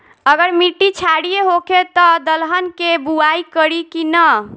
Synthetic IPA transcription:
əɡəɾmiʈːit͡ʃʰaɽijeɦoket̪ɔd̪əlɦənkebuaikəɾikinə

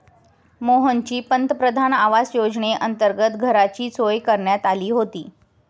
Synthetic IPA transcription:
moɦənt͡ɕiːpənt̪əpɾəd̪ʱanaʋasjod͡zɳeʔənt̪əɾɡət̪ɡʱəɾat͡ɕiːt͡sojkəɾɳjat̪aliːɦot̪ḭː

